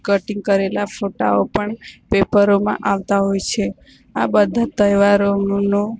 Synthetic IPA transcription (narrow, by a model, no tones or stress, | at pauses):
kəʈiŋɡ̚kəɾelafoʈa̰opəɳpepəɾomã̰ʔaʋt̪aɦojt͡ʃʰe | abəd̪ʱat̪əjʋaɾonno